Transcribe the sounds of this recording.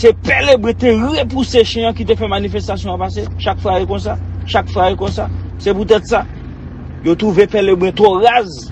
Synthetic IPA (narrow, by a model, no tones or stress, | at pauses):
sepɛlebɛ̃t̪eɣepuseʃɛ̃jãkit̪̬efɛmanifest̪asjɔ̃apas̬eʃakfajikõs̬aʃakfaekɔ̃saseput̪̬ɛt̪sa | jot̪ɣuvepɛlebɣɛ̃t̪oɣaz